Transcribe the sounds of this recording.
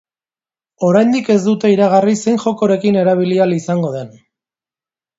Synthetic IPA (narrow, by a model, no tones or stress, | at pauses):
o̞ɾajnd̪ike̞zd̪ut̪e̞iɾaɣ̞arise̞jnxo̞ko̞ɾe̞kine̞ɾaβ̞ilialisaŋɡo̞ð̞e̞n